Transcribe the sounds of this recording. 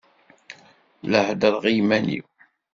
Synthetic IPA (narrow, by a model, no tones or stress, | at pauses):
ləhd̪əðʁijmænḭw